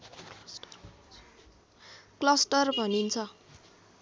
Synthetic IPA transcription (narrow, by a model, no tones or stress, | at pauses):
klʌsʈʌrbʱʌnint͡sʰʌ